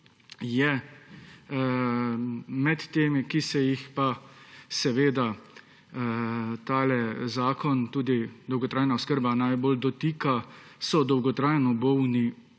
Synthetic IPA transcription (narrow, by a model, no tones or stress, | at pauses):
jɛ | mɛt̪ːeːmikisɛjixpasɛʋeːd̪a | t̪aːlɛzaːkɔnt̪uːd̪id̪ɔwɡɔt̪ɾaːjnaʊskəɾbanajboːld̪ɔt̪iːkasɔd̪ɔwɡɔt̪ɾaːjnɔbɔwni